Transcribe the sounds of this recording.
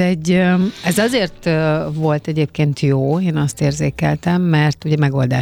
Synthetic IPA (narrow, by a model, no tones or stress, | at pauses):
ɛɟːɛzɒzeːrt̪ːvo̞lt̪ɛɟeːpkeːnt̪joːeːnɒst̪eːrzeːkɛ̰lt̪ɛmːɛrt̪uɟɛmɛɡo̞ld̪aː